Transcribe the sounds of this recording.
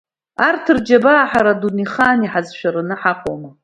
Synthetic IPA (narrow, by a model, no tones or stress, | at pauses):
artʰɨrd͡ʒabaːħaɾaduniχaːniħazʃᶣaɾɨnɨħaqʷʼoma